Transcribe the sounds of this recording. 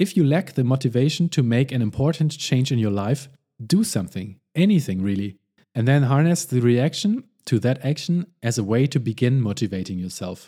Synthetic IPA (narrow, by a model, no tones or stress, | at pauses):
ɨfjɨlæk̚ðɨmoʊɾɨveɪʃn̩tʰɨmeɪkɨ̃nɨ̃mpʰɔɹʔn̩t͡ʃʰẽɪ̃nd͡ʒɨ̃njə˞laɪf | d̥ɨsʌ̃mθɪ̃ŋ | ʔɛniθɪ̃ŋɹilˠi | ɨ̃nðɨ̃nɦɑɹnɨsðɨɹiækʃn | tʰɨðɨɾækʃn̩ɨzəweɪtʰɨbɨɡɪ̃nmoʊɾɨveɪɾɪ̃ŋjə˞sɛ̰lˠf